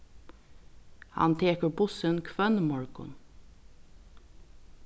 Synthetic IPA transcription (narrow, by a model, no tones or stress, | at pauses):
hɑ̰nt̪ʰeːkəɹbʊsənkʰʋœnmɔɹɡʊ̰n